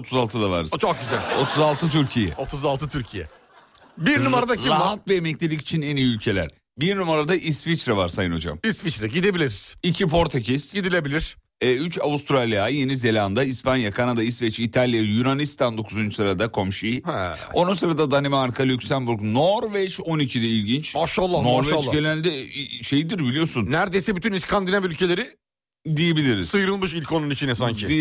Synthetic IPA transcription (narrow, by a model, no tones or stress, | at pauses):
ot̪ʰuzalˠt̪ʰɯd̪ava̰ɾɯzt͡ʃʰok̚ɟyzælʲo̞t̪ʰuzalˠt̪ʰɯt̪ʰyɾcʰijɛ̰ot̪ʰuzalˠt̪ʰɯt̪ʰyɾcʰijɛ̰ | biɾnumaɾad̪aɾiaɦat̪̚bɛjemɛclʲelʲici̥t͡ʃʰinɛnijiylʲcʰe̞lʲæ̰ɾ̥ | biɾnumaɾad̪aʔist̪fit͡ʃɾavaɾsajɯno̞d͡ʒa̰misfit͡ʃɾaɟid̪ebilʲiɾiz̥icʰipʰo̞ɾt̪ʰacʰisɟid̪ilʲe̞bilʲiɾ̥ | ɛyt͡ʃavust̪ɾalʲjaje̞nize̞lʲand̪aispʰanjakʰanad̪aist̪vɛt͡ʃit̪ʰalʲˠjajunanist̪ʰand̪o̞kʰuzunt͡ʃu̥sɯɾad̪akʰo̞mʃihɛ̰ | o̞nunsɯɾad̪ad̪animɛaɾkʰalʲycsænbuɾknoɾvɛt͡ʃo̞nicʰid̪ɛilʲɟint͡ʃaʃalˠːanoɾvɛt͡ʃ̪ˠːɡenænʲd̪ɛʃe̞jid̪iɾbilʲijo̞sunnæɾd̪ejsɛbyt̪ʰyniskʰand̪inavylʲcʰe̞lʲe̞ɾɪ | d̪ijebilʲiɾizsɯjɾɯlˠmɯʃilʲkʰo̞nunit͡ʃʰinɛsaɲcʰɪi